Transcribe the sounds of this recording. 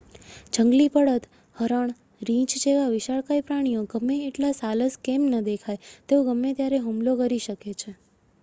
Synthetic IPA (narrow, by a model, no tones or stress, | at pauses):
d͡ʒəŋɡlipəɽət̪ | həɾəɳ̃ | ɾĩt͡ʃd͡ʒeʋaʋɪʃaɭkajpɾaɽ̃ijoɡəmːeeʈlasaləskemnəd̪ekʰajt̪eoɡəmːet̪jaɾeɦumlokəɾiʃəket͡ʃʰe